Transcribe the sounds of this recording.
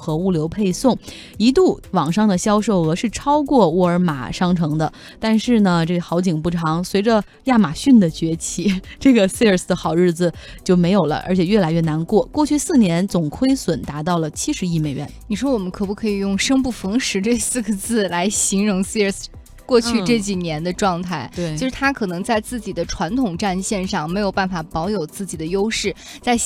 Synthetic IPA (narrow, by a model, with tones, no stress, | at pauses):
xɤ˧˥u˥˩ljo˧˥ʊpʰe˥˧ɪsʊ˥˩ŋ | i˧˥t̪u˥˩wɑ˨˩ŋʂɑ˥˩ŋd̪ə˩ɕjɑ˥ʊʂo˥˩ʊɤ˧˥ʂɻ̩˥˩ʈ͡ʂʰɑ˥ʊkwɔ˥˧wɔ˥˩ə˞˧˥ma̰˨˩ʂɑ˥ŋʈ͡ʂʰɤ˧˥ŋd̪ə˧ | t̪a˥˧nʂɻ̩˥˩nə˩ʈ͡ʂɤ˥˩xɑ˧˥ʊt͡ɕi˨˩ŋpu˥˩ʈ͡ʂʰɑ˧˥ŋswe˧˥ɪʈ͡ʂə˧ | ja˥˩ma˨˩ɕy˥˩nd̪ə˩t͡ɕɥɛ˧˥t͡ɕʰi˧˥ʈ͡ʂɤ˥˩ɡə˩si˥˧ə˞˨˧˩s̩˥˩d̪ə˧˦xɑ˨˩ʊɻɻ̩˥˩d͡zɹ̩˩ | t͡ɕjo˥˩ʊme˧˥ɪjo˨˩lə̰˦ʔə̰˧˥t͡ɕʰjɛ˨˩ɥɛ˥˩la˧˥ɪɥɛ˥˩na˧˥nkwɔ˥˩kwɔ˥˧t͡ɕʰy˥˧sɹ̩˥˩njɛ˧˥nt͡sʊ˨˩ŋkʰwe˥ɪswə˨˩nt̪a˧˥t̪ɑ˥˩ʊlə˩t͡ɕʰi˥ʂɻ̩˧˥i˥˩me˨˩ɪɥɛ̰˧˥nni˨˩ʂwɔ˥wɔ˨˩mə˦nkʰɤ˨˩pu˥˩kʰɤ˧˥i˨˩jʊ˥˩ŋʂɤ˥ŋpu˥˩fɤ˧˥ŋʂɻ̩˧˥ʈ͡ʂɤ˥˧sɹ̩˥˩ɡə˧t͡sɹ̩˥˩la˧˥ɪɕi˧˥ŋɻʊ˧˥ŋsi˥˧ə˞˨˩s | kwɔ˥˧t͡ɕʰy˥˧ʈ͡ʂɤ˥˩t͡ɕi˨˩njɛ˧˥nd̪ə˧ʈ͡ʂwɑ˥˧ŋt̪ʰa˥˩ɪt͡ɕt͡ɕo˥˧ʊʂɻ̩˥˩t̪ʰa˥kʰɤ˨˩nɤ˧˥ŋt͡sa˥˧ɪt͡sɹ̩˥˩t͡ɕi˨˩d̪ə˦ʈ͡ʂʰwa˧˥nt̪ʰʊ˨˩ŋʈ͡ʂa˥˧nɕjɛ˥˧nʂɑ˥˩ŋme˧˥ɪjo˨˩ʊpa˥˩nfa˨˩pɑ˧˥ʊjo˨˩ʊt͡sɹ̩˥˩t͡ɕi˨˩d̪ə˦jo˥ʊʂɻ̩˥˩ | t͡sa˥˧ɪ